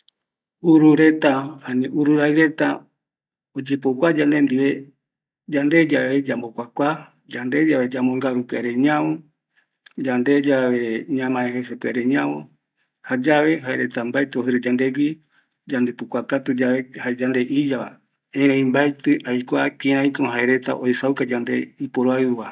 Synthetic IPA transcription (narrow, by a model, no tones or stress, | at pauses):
uɾuɾe̞t̪ahaniuɾuɾajɾe̞t̪a | od͡ʒepokʷad͡ʒand̪end̪iβe | d͡ʒand̪e̞d͡ʒaʋe̞d͡ʒambokʷakʷa | d͡ʒand̪e̞d͡ʒaβe̞d͡ʒamõŋɡaɾupiaɾeɲãβõ | d͡ʒand̪e̞d͡ʒaβe̞ɲãmãeɦesepaɾeɲãβõ̰ | had͡ʒaʋe̞ɦaeɾe̞t̪ambaet̪eoɦɨɾɨd͡ʒand̪e̞ɡi | d͡ʒand̪epɨkʷakat̪ud͡ʒaβe̞had͡ʒand̪e̞ʔid͡ʒaβa̰ | ẽɾẽĩmbajt̪ɨʔajkʷakĩɾãj̃kõɦaeɾe̞t̪a̰ʔojsawkad͡ʒand̪e̞̰ipoɾoaɨwa